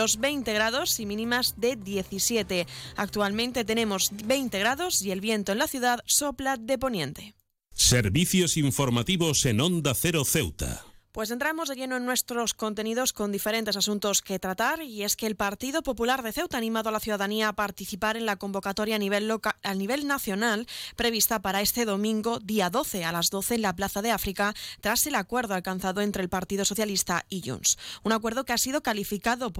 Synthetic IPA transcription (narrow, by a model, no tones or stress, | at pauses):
lozβe̞jnt̪e̞ɣ̞ɾaðo̞simĩnĩmazðe̞ðje̞θisjet̪e̞ak̚t̪ualmẽ̞nt̪e̞t̪e̞ne̞mo̞zbe̞jnt̪eɣɾaðo̞sie̞lβje̞nt̪oe̞nlaθjuðaðso̞plaðe̞po̞njẽ̞nt̪e̞ | seɾβiθjosiɱfoɾmat̪iβosenõnd̪aθeɾoθewt̪a̰pwe̞s̬e̞nt̪ɾamo̞zðe̞ʎe̞noe̞nːwest̪ɾo̞sko̞nt̪e̞niðo̞sko̞nd̪ife̞ɾe̞nt̪e̞sasũnt̪o̞ske̞t̪ɾat̪aɾie̞ske̞ːlpaɾt̪iðo̞po̞pulaɾðe̞θe̞wt̪anĩmaðo̞alaθjuð̞aðaniaːpaɾt̪iθipaɾe̞nlako̞mbo̞kat̪o̞ɾjaaniβ̞e̞lnaθjo̞nalpɾe̞β̞ist̪apaɾae̞st̪e̞ðo̞mĩŋɡo̞ðiaðo̞θe̞alazðo̞θe̞ːnlaplaθaðe̞afɾikat̪ɾase̞lakwe̞ɾðoalkan̟θaðoe̞nt̪ɾelpaɾt̪iðo̞so̞θjalist̪aiʝṵnsunakwe̞ɾð̞o̞keasiðo̞kalifikaðo̞p